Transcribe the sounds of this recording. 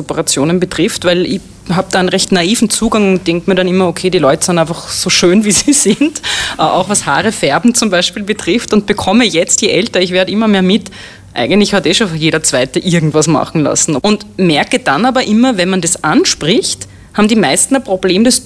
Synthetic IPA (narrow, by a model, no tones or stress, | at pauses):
opɐʁat͡sjoːnənbətʁ̥ɪftvæɪlɪ̰ç | ɦaːb̚d̥aːɛnʁɛçtnaiːfn̩t͡suːɡaŋʊnt̚d̥ɛŋk̚miːɐɾanimɐokʰeːɾiːlɔʏtə̥sɪnæɪnfɐχsoːʃøːnviːziːzɪntʔʔa̰ʊxvasha̰ːʁəfɛɐbm̩t͡sʊmbæɪʃpiːlbətʁ̥ɪftʊnt̚b̥əkʰɔməjɛt͡stjeʔɛltɐɪçv̥eːɐɾəimɐmeːɐmɪt | ʔæ̰ɪɡəntlɪçhateʃofjeːɾɐt͡sv̥aɪtəʔɪɐɡŋ̩tv̥asma̰χn̩la̰sn̩ʊntmɛɐkəd̥anaːbɐʔɪmɐvɛnmandasʔanʃpʁɪçt | haːbmdiːmæɪstn̩apʁ̥obleːmdɛs